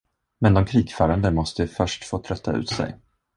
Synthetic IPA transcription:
mɛnd̪ɔmkʰɾiːɡfœːɾand̪əmɔst̪əfœʂʈfoːt̪ʰɾœt̪ːa̰ʉ̟ːt̪sɛ̰j

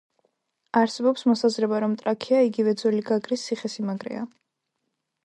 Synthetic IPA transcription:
aɾsɛbɔpsmɔsazɾɛbaɾɔmt̪ʼɾakʰiaiɡivɛd̪zuliɡaɡɾisiχɛsimaɡɾɛ̰a̰

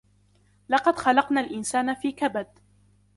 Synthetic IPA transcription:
lɑqɑd̪xɑlɑqnaːlʔɪnsaːnafiːkabad̪̚

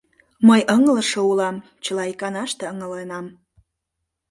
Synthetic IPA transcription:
məjəŋələʃoulɑm | t͡ɕəlɑikɑnɑʃt̪eəŋəlenɑm

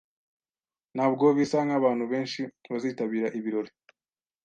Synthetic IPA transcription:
naːbɡo̞βisaŋɡaβaːn̥huβe̞ːnʃiβaziːtaβiːɾaʔiβiɾo̞ɾe

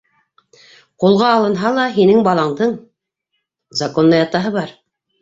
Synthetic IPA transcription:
qulˠʁɑːlˠɤ̆nɦɑlˠɑɦinɘŋbɑlˠɑɴd̪ɤɴ | zɑkonːˠɤjɑt̪ɑɦɤβɑɾ

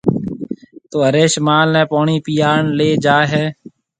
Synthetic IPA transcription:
t̪oːəɾeːʃmaːlnɛ̃ːpoːɳiːpijaːɳleːd͡ʒaːɦɛː

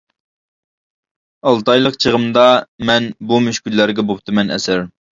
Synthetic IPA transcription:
ɑlˠt̪ɑjlˠəqt͡ʃʰəʁəmd̪ɑmɛnbumyʃkʲylːæɾɡʲɛbop̚t̪ʰɨmɛnɛ̰sɪɾ

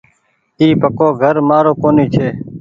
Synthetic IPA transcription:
t̪iːpəkoːɡʱəɾmaːɾoːkoːniːt͡ʃʰeː

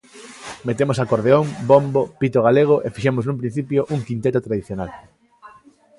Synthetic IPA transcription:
met̪emosakoɾðeoŋbombopit̪oɣ̞aleɣ̞oʔefiʃemoznũmp̬ɾĩn̟θipjoʔuŋkint̪et̪ot̪ɾaðiθjonal

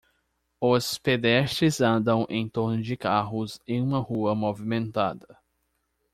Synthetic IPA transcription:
ʊsped̪ɛʃt͡ʃɾɪzɐ̃nd̪ɐ̃w̃ʔḛ̃j̃t̪oɾnʊd͡ʒɪkaɦʊzẽj̃ũmɐhuɐmovimẽnt̪ad̪ɐ

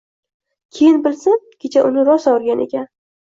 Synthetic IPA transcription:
kʲʰejɪnbɪlsɪnkʲʰet͡ʃʰaʔʊnɪɾɒsɒwɾɡʲanʔḛkʲan

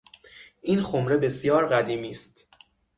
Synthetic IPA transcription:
ʔiːnxomɾe̞be̞sjɒːɾɢæd̪iːmiːst̪

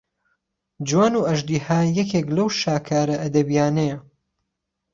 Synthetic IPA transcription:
d͡ʒwaːnuːɐʒd̪iːhaːjɐkʰeːklɐwʃaːkʰaːɾɐɐd̪ɐbijaːnɐjɐ

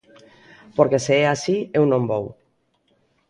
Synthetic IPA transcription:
poɾkeseeasiewnõmbow

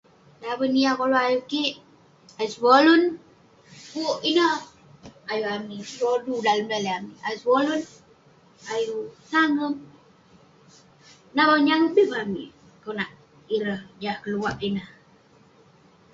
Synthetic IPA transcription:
dabəniakoloajukiʔ | ajusbolʊn | kuʔinəh | ajuamiɾodudaləmdaleamiajusbolun | ajusaŋəm | nabaɲaŋəbibami | konaʔ | iɾəhd͡ʒahkəluwaʔinəh

